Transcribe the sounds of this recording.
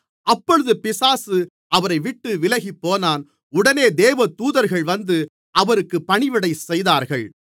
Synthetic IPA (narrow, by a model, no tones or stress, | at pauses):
ʔɐpːɔɻɯðɯpɪsaːsɯ | ʔɐʋɐɾɐɪʋɪʈːɯʋɪlɐɣipːoːnaːn | ʊɽɐneːd̪eːʋɐt̪uːðɐɾɣɐɭʋɐnd̪ɯ | ɐʋɐɾɯkːɯpːɐɳɪʋɪɽɐɪsɛjðaːɾɣɐɭ